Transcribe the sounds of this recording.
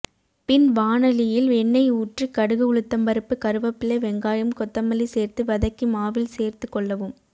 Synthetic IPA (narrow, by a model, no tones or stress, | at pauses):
pɪnʋaːnɐlɪjɪlɛɳːɐɪuːʈrɯkɐɽɯɣɯʊɭɯt̪ːɐmbɐɾɯpːɯkɐɾɯʋɐpːɪleʋɛŋɡaːjɯmkɔt̪ːɐmːɐliseːɾt̪ɯʋɐðɐkːɯmaːʋɪlseːrt̪ɯkːɔɭːɐʋɯm